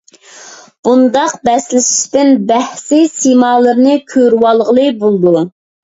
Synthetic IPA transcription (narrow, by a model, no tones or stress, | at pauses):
b̥und̪ɑq̚bɛslɪʃi̥ʃt̪ɪnbɛhsɪsimɑːlˠəɾnɨkʲʰøɾwɑlˠʁəlˠɨbolˠd̪u